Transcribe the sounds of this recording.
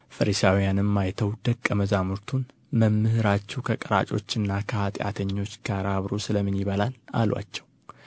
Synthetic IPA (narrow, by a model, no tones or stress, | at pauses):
fəɾisawijanɨmːajt̪ʰəwd̪̥əkʼːəməzamuɾt̪ʰun | məmːɨhɨɾat͡ʃːɛwkʰəkʼəɾa̰t͡ʃʼo̞t͡ʃːɨnːakʰəhat̪ʼja̰t̪ʰəɲːo̞t͡ʃːkʰaɾaβɾosɨləmːɨnjiβəlana̰lwa̰t͡ʃːɛw